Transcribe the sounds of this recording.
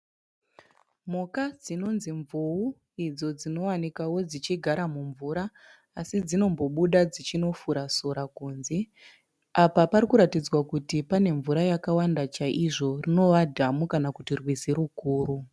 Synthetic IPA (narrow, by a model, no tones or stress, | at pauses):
mokad͡zino̞nziɱvuu | id͡zo̞d͡zino̞wanikawo̞d͡zit͡ʃiɡʱaɾamuɱvuɾaː | sid͡zino̞mbo̞ɓuɗad͡zit͡ʃino̞fuɾasoɾakuːnze | apapaɾikuɾatid͡zwakutipane̞ɱvuɾajakawandat͡ʃaʔiʐo̞rino̞ʋadʱamukanakutirwizeɾukuːru